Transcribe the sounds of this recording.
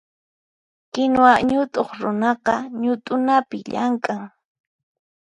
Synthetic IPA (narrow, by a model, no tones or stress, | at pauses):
kɪnwaɲʊt̪ʼoχɾʊnɑqɑɲʊt̪ʼʊnapɪʎaŋkʼaŋ